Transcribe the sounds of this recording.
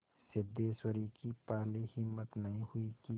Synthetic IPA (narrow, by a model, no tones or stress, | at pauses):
sɪd̪eːswəɾikipaːlihɪmːət̪nɐɦĩhʊiki